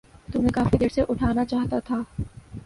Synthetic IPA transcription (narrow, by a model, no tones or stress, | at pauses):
t̪ʊmɦẽkaːfid̪eːɽseʔʊʈʰaːnat͡ʃaːɦt̪at̪ʰaː